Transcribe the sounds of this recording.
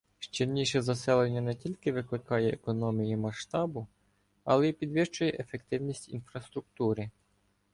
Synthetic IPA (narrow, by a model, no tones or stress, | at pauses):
ʃt͡ʃilʲnʲiʃɛzɐsɛlˠenʲːɐnɛtʲilʲkɪʋɪklɪkɑjɛekɔnɔmʲijimɐʃt̪ɑbʊ | ɐ̰lˠɛipʲid̪ʋɪʃt͡ʃʊjɛʔefekt̪ɪwnʲisʲtʲḭnfɾɐst̪ɾʊk̚t̪uɾɪ